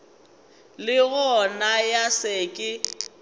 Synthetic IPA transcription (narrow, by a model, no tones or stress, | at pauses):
lɪɣɔnajasɪkʼɪ